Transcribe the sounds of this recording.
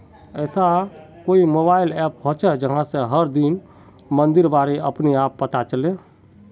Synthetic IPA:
ɛːsa | koimobaːɪlɛpɦot͡ʃʰɛd͡ʒəɦãsẽɦəɾd̪in | mənd̪iɾbaɾeəpniapːət̪at͡ʃəle

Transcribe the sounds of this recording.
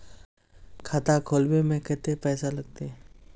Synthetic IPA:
kʰat̪akʰoːlbemẽkɛt̪epɛːsalɐɡ̚t̪e

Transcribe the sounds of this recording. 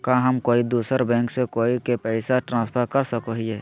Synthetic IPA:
kãːɦɐmkoːid̪uːsəɾbɛ̃ːŋksekoːikepɛɪsaʈɾãːspʰəɾkɐɾsəkoɦieː

